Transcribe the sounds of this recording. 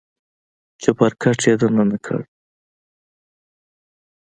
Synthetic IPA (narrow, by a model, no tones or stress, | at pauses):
t͡ʃapaɾkʰaʈ͡ʂed̪ananakʰa̰ɽ